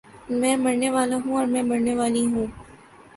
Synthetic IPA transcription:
mɛ̃ːmɐɾneʋaːlãɦũɔːɾmɛ̃ːmɐɾneʋaːliɦũː

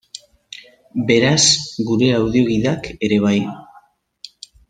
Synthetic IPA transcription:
be̞ɾasɡuɾe̞awðio̞ɣiðake̞ɾe̞βaj

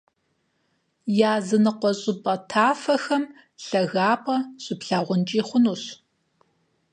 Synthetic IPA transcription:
jaːzɨnɨqʷɔɕʼɪpʼɐtʰaːfɐxɐm | ɬɐɣaːpʼɐɕʼɪpɬaːʁʷʊnt͡ʃʼiːχʷʊnuːɕ

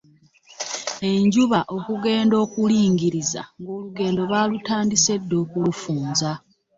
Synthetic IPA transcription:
e̞ɲɟuβaʔo̞kuɡe̞ːndo̞ːkuliːŋɡiɾiza̰ŋɡo̞ːluɡe̞ːndo̞βaːlutaːndise̞dːo̞ːkulufuːnza

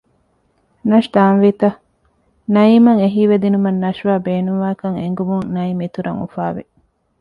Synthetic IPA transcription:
nɐʃd̪aːnʋit̪ɐ | nɐiːmɐŋeɦiːʋed̪inumɐnːɐʃʋaːbeːnuŋʋaːkɐŋḛŋɡumuŋnɐimit̪uɾɐŋṵfaːʋḛ

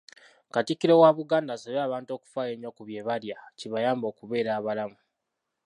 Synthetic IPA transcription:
katikːiɾewaβuɡaːndasaβaːβaːnto̞ːku̥faːjeɲːo̞kuβje̞ːβaljaciβajaːmbo̞ːkuβe̞ːɾaːβalamu

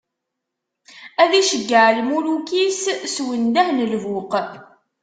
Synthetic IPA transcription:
æðiʃəɡːəʕlmulukisswənd̪æhnəlvʊq

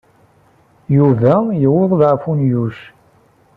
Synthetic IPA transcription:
juvæjəwʊðˤðʕfunjuʃ

